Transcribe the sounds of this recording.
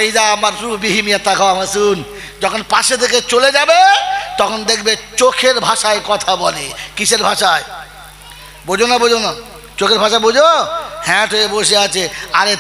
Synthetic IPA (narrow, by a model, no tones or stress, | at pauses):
id͡ʑaamaɾpɾuubiɦimiat̪ʰːakʰaamasun | d͡ʑɔkʰonpaʃet̪ʰeket͡ɕoled͡ʑabet̪ɔkʰond̪ekʰbet͡ɕokʰeɾbʱaʃaekɔt̪ʰabɔlekiʃeɾbʱaʃae | bod͡ʑonabod͡ʑona | t͡ɕokʰeɾbʱaʃabod͡ʑohɛ̃ʈɦojeboʃ̬eat͡ɕʰeaɾe